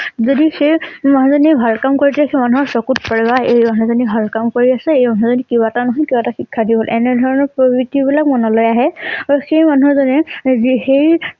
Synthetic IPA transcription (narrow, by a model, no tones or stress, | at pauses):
zodixejmaɦzɔnibʱalkamkoɹitɛxemanuɦɔɹsɔkut̚pɔɹibaejmanɔzɔnibʱalkamkoɹiasɛejmanɦuzɔnikibatanɔɦɔkibataxikʰːadiɦolʔɛnɛdʱɔɹɔnɔɹpɹɔbitibilak̚mɔnɔlɔjaɦɛaɔxejmanuɦɔɹzɔnɛxej